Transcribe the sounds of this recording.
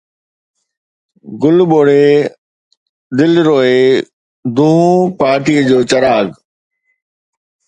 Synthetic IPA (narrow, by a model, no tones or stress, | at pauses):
ɡʊlɓoːɽe | d̪ɪlɾoːe | d̪ʱũːpaːɾʈiːəd͡ʑoːt͡ɕɐɾaːɡ